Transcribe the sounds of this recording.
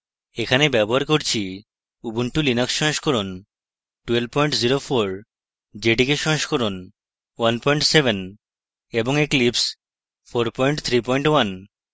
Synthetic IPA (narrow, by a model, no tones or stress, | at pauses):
ekʰanebɛboɦaɾkoɾt͡ɕʰi | ubunʈulinaksɔnʃkɔɾon | ʈwelb̚pɔjɳʈziɾofʰoɾ | d͡ʑeɖikeʃɔnʃkoɾon | wanpɔjɳʈsebʱen | eboŋeklips | fʰoɾpɔjɳʈt̪ʰɾipɔjɳʈwan